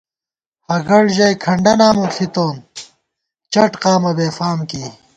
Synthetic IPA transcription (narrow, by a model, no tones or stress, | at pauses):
hɐɡɐɽʑɐjkʰɐɳɖɐnaːmokʰit̪oːn | t͡ɕɐʈqaːmɐbeːfaːmkiː